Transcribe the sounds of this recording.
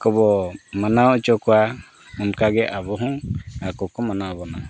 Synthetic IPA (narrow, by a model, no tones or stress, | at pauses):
kɔbɔmanaɔt͡ʃɔkɔa | ɔmkaɡɛʔabɔɦɔŋakɔkɔmanaɔbɔna